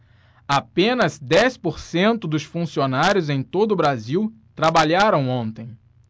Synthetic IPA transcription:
apẽnɐzd̪ɛspoɾsẽnt̪ʊd̪ʊsfũsionaɾʲjʊzẽj̃t̪od̪ʊːbɾaziw | t̪ɾabaʎaɾɐ̃w̃õnt̪ẽj̃

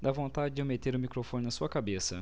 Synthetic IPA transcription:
d̪avõnt̪ad͡ʒɪd͡ʒʊmet̪eɾʊmikɾofõnɪnɐsuɐkabesɐ̰

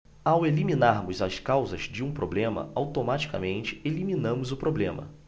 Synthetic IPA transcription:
aweliminaɾmʊzɐskawzɐzd͡ʒɪũpɾoblẽmɐ̰awt̪omat͡ʃi̥ka̰mẽnt͡ʃɪ̥eliminɐ̃mʊzʊpɾoblẽmɐ̰

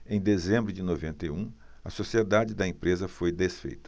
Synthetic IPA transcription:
ẽj̃d̪ezẽmbɾʊd͡ʒɪnovẽnt̪ejũ | ɐsosied̪ad͡ʒɪd̪ɐẽpɾezɐfojd̪esfḛjt̪ɐ̥

